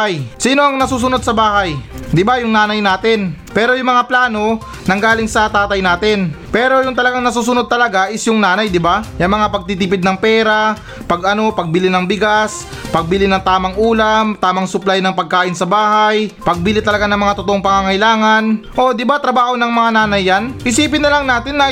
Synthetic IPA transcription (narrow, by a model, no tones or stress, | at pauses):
jsiːno̞ɐŋnɐsuːs̬ʊnod̪̚sɐbaːɦɐjd̪ɪbajʊŋnaːnɐjnaːt̪ɪnpɛːɾo̞jʊŋmɐŋaplaːno̞ | nɐŋɡaːlɪŋsɐt̪aːt̪ɐjnaːt̪ɪnpɛːɾo̞jʊŋt̪ɐlɐɡaŋnɐs̬uːs̬ʊno̞d̪̚t̪ɐlɐɡaʔɪsjʊŋnaːnɐjd̪ɪbajɐŋmɐŋapɐɡ̚t̪it̪ɪp̬ɪd̪nɐŋpɛːɾɐ | pɐɡɐno̞pɐɡ̚bɪlɪnɐŋbɪɡas | pɐɡ̚bɪlɪnɐŋt̪aːmɐŋʔuːlɐmt̪aːmɐŋsʊplajnɐŋpɐɡ̚kaːʔɪnsɐbaːɦajpɐɡ̚biːlɪt̪ɐlɐɡanɐŋmɐŋat̪ot̪oʔoŋpɐŋaŋɐɪlaːŋɐnʔo̞d̪ɪbat̪ɾɐbaːho̞nɐŋmɐŋanaːnɐjːanʔɪsiːpɪnːɐlaŋnaːt̪ɪnːɐ